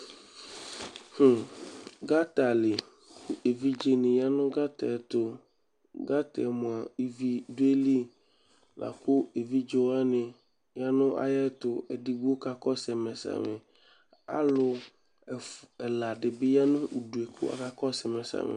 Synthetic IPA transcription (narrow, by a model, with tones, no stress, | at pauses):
h̩˨ɡa˦t̪a˨lɪ˨ | kʊ˦ʔe˨vi˦d͡ʒe˦nɪ̃˨ja˦nʊ̃˦ɡa˦t̪ɛ˨t̪ʊ˨ | ɡa˦t̪ɛ˨mʊ̃˨a˨i˦vi˦dʊ˦e˦li˦ | la̰˨kʊ˦e˨vi˦d͡ʒo˨wa˦nɪ̃˨ | ja˦nʊ̃˦ʔa̰˨jɛ˦t̪ʊ˨ɛ˨dɪ˦˨ɡu˦o˦ka˨kɔ˦sɛ˨mɛ˨sa̰˨mɪ̃˨ | a̰˦lʊ˨ | ɛ˨la˨ɖɪ˨bɪ˦ja˦nʊ̃˦u˨du˨e˨kʰʊ̰˦a̰˨ka˨kɔ˦sɛ˨mɛ˨sa̰˨mɪ̰˨